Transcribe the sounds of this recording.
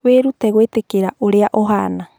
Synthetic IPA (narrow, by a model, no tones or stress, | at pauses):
weɾuteɣoetekeɾaʔoɾeaʔoɦa̰na